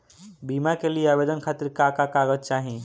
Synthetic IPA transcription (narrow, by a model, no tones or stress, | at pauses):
bimakelijeabed̪ənkʰat̪iɾkakakaɡətt͡ʃaɦi